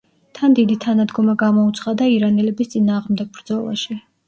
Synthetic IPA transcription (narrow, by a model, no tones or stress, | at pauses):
t̪ʰand̪id̪it̪ʰanad̪ɡɔmaɡamɔut̪sʰχad̪aiɾanɛlɛbist̪sʼinaːʁmd̪ɛɡ̚bɾd̪zɔlˠa̰ʃi